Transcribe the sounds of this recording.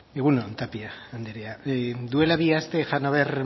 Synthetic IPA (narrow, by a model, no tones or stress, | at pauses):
eɣ̞unont̪apiaːnd̪eɾead̪ue̞laβiast̪e̞ʝanoβer